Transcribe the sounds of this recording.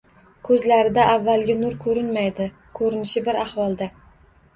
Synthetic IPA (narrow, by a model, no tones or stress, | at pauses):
kʰɵzlaɾɪd̪aʔavːalɡʲɪnʊɾkʰɵɾɪnmajd̪ɪ | kʰɵɾɪnɪʃɪbɪɾahwɒlˠd̪a